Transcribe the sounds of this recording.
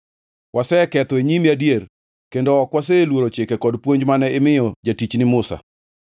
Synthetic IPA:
wʔasɛkɛt̪ɔeɲimiadijer | kendoɔkwas̬elwoɾot͡ʃɪkɛkɔdpwoɲd͡ʒmanɛɪmɪjɔd͡ʒatit͡ʃnɪmʊsa̰

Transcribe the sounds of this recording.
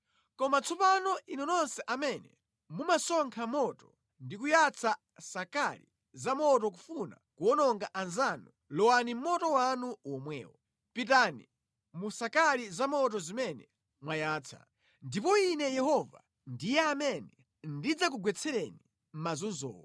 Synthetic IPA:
kɔmat͡sʰɔpanɔʔinɔnɔnsɛʔamɛnɛ̰ | mumasɔŋkʰamɔtɔ̥ | ndikujat͡sʰa | sakaɾi | zamɔtɔk̬ufuna̰kuɔnɔŋɡaʔanzanu | lɔwanim̩mɔtɔwanuwɔmwɛ̰ːwɔ | pit̬anḭ | musakaɾizamɔtɔzimɛnɛ | mwajaːt͡sʰa̰ | ndip̬ɔinɛjɛhɔva̰ | ndijɛamɛnɛ | ndid͡zak̬uɡwɛt͡sʰɛɾɛni | m̩mazunzɔ̰ːwɔ

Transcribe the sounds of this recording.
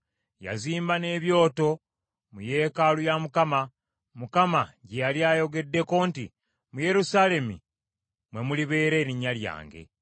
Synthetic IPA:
ja̰ziːmbane̞ːβjo̞ːto̞ | muje̞ːkalujamukama | mukamaɟejaliaːjo̞ɡe̞dːe̞ko̞ːntḭ | muje̞ɾusale̞mḭ | mwe̞muliβe̞ːɾe̞ːɾiɲalja̰ːŋɡe̞̰

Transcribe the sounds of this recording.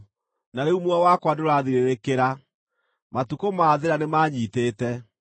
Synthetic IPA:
naɾeumwawakwadoɾaðiɾeɾekeɾa | matukomaːðeɾanemaːɲiːteːtɛ

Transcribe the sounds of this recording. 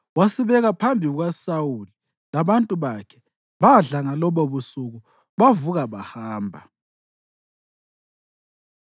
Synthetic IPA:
wasiβɛɣapʰambʱiɣasawuli | laβantʼuβakʰɛ̥ | βaɮaŋalɔβɔβusuɣu | βavuɣaβahaːmbʱa

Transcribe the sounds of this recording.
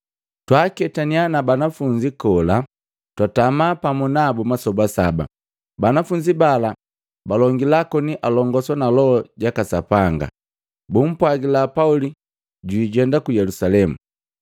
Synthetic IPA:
twaːkɛtanianabanafuɲd͡ʒikɔla | twatamaːpamɔnabɔmasɔbasaba̰ | banafuɲd͡ʒibala | balɔŋɡilakɔniʔalɔŋɡɔsɔnalɔɔɟakasapaŋɡa̰ | bum̩pwaɡilapauli | ɟiːɟɛndakujɛlusalɛmṵ

